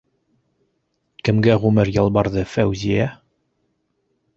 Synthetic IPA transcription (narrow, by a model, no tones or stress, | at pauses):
kɘ̆mɡæʁʉmɘɾjɑlˠbɑɾðɤfæwzʲijæ